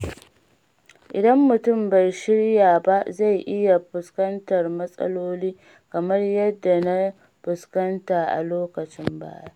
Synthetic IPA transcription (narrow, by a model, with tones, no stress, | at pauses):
ʔɪ˨dɐ˦mːʊ˨tʊ˦˨mba˨jʃɪ˦ɽjaː˨ba˦ʔza˦˨jʔɪ˦ja˨ɸʊ˨skɐ˦ntɐ˨rmɐ˦sʼɐ̰˦loː˦liː˦ | kɐ˨mɐ˦rjɐ˦dːa˨na˦ | ɸʊ˨skɐ˦ntaː˨ʔa̰˨loː˦kɐ˨t͡ʃɪ˦mba̰ː˦˨ja˦ʔ